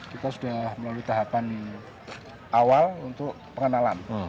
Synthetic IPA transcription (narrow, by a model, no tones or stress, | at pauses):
kit̪asudahməlaluit̪aɦapani | ʔawalunt̪ʊʔ | pəŋənalan